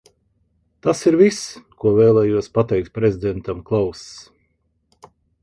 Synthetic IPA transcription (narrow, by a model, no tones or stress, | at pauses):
t̪asiɾviskuɔvɛːlˠɛːjuɔspat̪ɛjk̚t̪̚pɾezʲid̪ɛnt̪amklˠaws